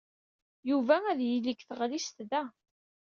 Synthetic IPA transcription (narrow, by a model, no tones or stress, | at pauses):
juvææðjilikθəʁlist̪ðæ